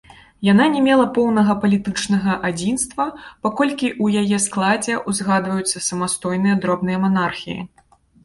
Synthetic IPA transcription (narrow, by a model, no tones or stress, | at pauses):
jan̪anʲɛmʲɛlˠɐpɔwnɐɣɐpɐlʲit̪ɨt͡ʂnɐɣɐʔad͡zʲinst̪vɐpakɔlʲkʲiʔujajɛsklˠad͡zʲɛʔuzɣad̪vɐjut̪sːɐsɐmast̪ɔjnɨjɐd̪ɾɔbnɨjɐmanarxʲḭjḭ